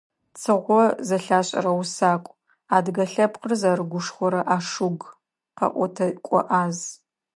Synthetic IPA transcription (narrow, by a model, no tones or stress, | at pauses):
t͡sʰɨʁʷɔzɐɬaːɕʼɐ̰ɾɐwsaːkʷʼ | aːdɡɐɬɐpqərzaɾɨɡʷʊʂχʷɔɾɐʔaːʂʊɡ | qɐ̰ʔʷɔtʰɐkʷʼɔ̰ʔaːz